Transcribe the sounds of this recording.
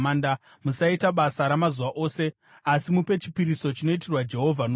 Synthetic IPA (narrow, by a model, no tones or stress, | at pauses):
aːnda | musaitaɓasaɾamazuʋaʔo̞ːse̞ | asimupe̞t͡ʃi̥piɾiso̞t͡ʃino̞itirwad͡ʒe̞ɦo̞vʱan